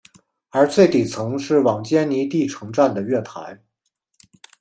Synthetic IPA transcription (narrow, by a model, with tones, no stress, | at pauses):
ə˞˧˥t͡swe˥˩ɪt̪i˨˩t͡sʰɤ˧˥ŋʂɻ̩˥˩wɑ˨˩ŋt͡ɕjɛ˥nni˧˥t̪i˥˩ʈ͡ʂʰɤ˧˥ŋʈ͡ʂa˥˩nd̪ə˩ɥɛ˥˩t̪ʰa̰˧˥ɪ